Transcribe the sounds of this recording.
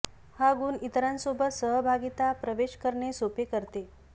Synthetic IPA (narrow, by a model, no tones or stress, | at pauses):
haɡuːnit̪ɾãnsobət̪səɦbʱaɡit̪apɾəʋeɕkəɾɳesopekəɾt̪e